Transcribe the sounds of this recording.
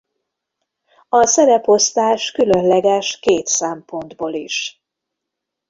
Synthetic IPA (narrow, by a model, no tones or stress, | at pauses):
ɒsɛɾɛpo̞st̪aːʃkylønlɛɡɛʃkeːt̪sɛmpo̞nd̪boːliʃ